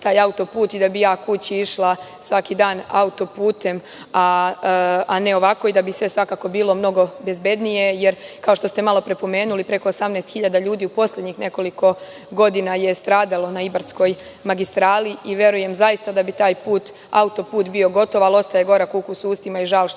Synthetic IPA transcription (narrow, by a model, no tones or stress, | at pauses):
t̪aːjaut̪o̞puːt̪id̪abijaːkut͡ɕiiʃlˠa | sʋakid̪aːna̰ut̪o̞puːt̪e̞m | a | ane̞o̞ʋako̞id̪abisʋe̞sʋakaːko̞biːlˠo̞mno̞ɡo̞be̞zbe̞d̪nije̞jeɾkao̞ʃt̪o̞st̪e̞malo̞pɾe̞po̞me̞ːnulipɾe̞ko̞osamnest̪xiʎad̪aʎuːd̪iːupo̞slʎed̪ɲixne̞ko̞liko̞ | ɡo̞d̪inaje̞st̪ɾaːd̪alo̞naibaɾsko̞j | maɡist̪ɾaːliiʋje̞ɾuje̞mzajist̪ad̪abit̪aːjpuːt̪ | a̰ut̪o̞puːt̪bio̞ɡo̞t̪o̞ʋalˠost̪ajeɡo̞ɾakukusuːst̪imaiʒaol